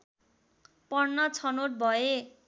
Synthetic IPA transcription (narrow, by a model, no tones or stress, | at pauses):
pʌrnːʌt͡sʰʌnoʈ̚bʱʌe